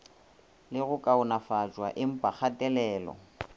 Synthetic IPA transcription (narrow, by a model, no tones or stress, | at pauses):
lɪɣʊkʼaʊnafazwa̰ʔɪm̩pʼak͡xʰatʼɛlɛːlɔ̰